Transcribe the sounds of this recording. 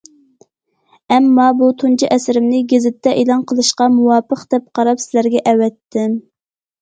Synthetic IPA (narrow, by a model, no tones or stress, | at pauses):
ɛmːɑbut̪ʰunt͡ʃʰiʔɛsɪɾɪmnɪɡʲezɪt̪ʰːɛʔelˠɑnqʰəlˠɨʃqɑmuwɑːpʰəqd̪̥ɛp̚qʰɑɾɑpsɪlæɾɡʲɛʔɛwɛt̪ʰːɪm